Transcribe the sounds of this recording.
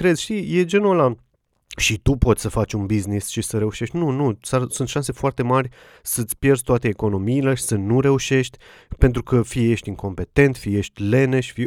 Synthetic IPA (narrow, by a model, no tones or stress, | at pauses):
kɾe̞z̥ʲʃt̪ije̞d͡ʒenuola | ʃit̪upo̞t̪ʲsəfat͡ʃʲunbiznisʃisəɾe̞uʃe̞ʃt̪ʲnunusasunt̪ʃanse̞foart̪e̞marʲ | sət̪sʲpje̞rdsʲt̪oat̪eːko̞no̞miːleʃi̥sənuɾe̞uʃe̞ʃt̪ʲpent̪ɾukəfije̞ʃt̪ʲiŋko̞mpe̞t̪e̞nt̪fije̞ʃt̪ʲle̞neʃi̥fi